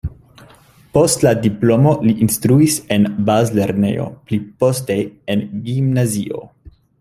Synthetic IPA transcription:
po̞stladiplo̞mo̞liʔinstɾuise̞nbazle̞ɾnḛjo̞̰plipo̞steenɡimnazio̞̰

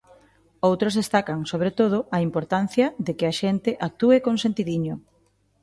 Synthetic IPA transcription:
owt̪ɾozðest̪akɐŋsoβ̞ɾet̪oð̞ʊʔɐimpoɾt̪an̟θjɐðekɪaʃent̪ɪʔak̚t̪uekoŋsẽnt̪iðiɲo

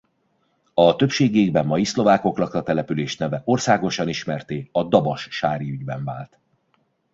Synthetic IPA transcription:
ɒt̪øpʃeːɡieɡbɛmːɒjislo̞vaːko̞klɒkrɒt̪ɛlɛpyleːʃnɛvɛʔo̞rsaːɡoʃɒniʃmɛrt̪eːɒd̪ɒbɒʃʃaːɾiyɟbɛɱvaːlt̪

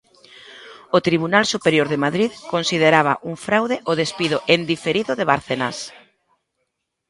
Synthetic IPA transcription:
ot̪ɾiβ̞unalsupeɾjoɾðemaðɾiðkonsiðeɾaβa̰ʔuŋfɾawðeʔoðespiðʊʔend̪ifeɾiðʊðeβaɾθena̰s

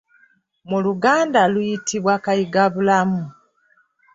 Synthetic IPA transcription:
muluɡaːndalujitʰiβwakajiɡaβulamu

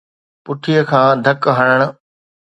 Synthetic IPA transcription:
pʊʈʰijəkʰãːd̪ʱɐkɦɐɽ̃əɽ̃ʊ̆

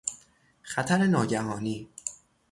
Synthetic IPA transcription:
xæt̪ʰæɾe̞nɒːɟæɦɒːniː

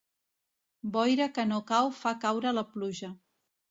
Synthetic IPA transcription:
bɔjɾəkənokawfakawɾələpluʒə

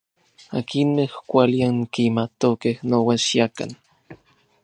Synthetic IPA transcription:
akinmehkʷaliaŋkimat̪okehnowaʃjaka̰n

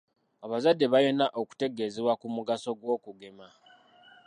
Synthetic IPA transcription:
aβazadːe̞βaje̞naʔo̞ku̥te̞ɡe̞ːzeβwakumuɡaso̞ɡwo̞ːkuɡe̞ma

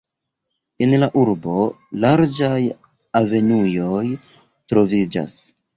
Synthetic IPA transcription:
enlaʔuɾbo̞ | laɾd͡ʒaj | ave̞nujo̞j | tɾo̞vid͡ʒa̰s

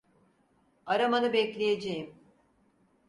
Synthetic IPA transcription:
aɾamanɯbɛclʲejed͡ʒejim

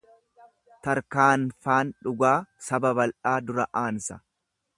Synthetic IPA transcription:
t̪ɐɾkaːnfaːnᶑʊɡaːsɐbɐbɐlʔaːd̪ʊɾɐʔaːnsɐ

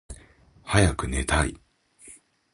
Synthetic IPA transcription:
hajakɯ̟ne̞t̪aḭ

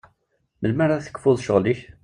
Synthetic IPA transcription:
məlmæɾˤaθə̥kfʊðˤʃəʁliç

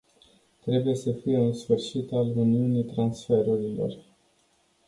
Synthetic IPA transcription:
t̪ɾe̞buje̞səfije̞ɨnsfɨrʃit̪aluniunijt̪ɾansfe̞ɾuɾilo̞̰r

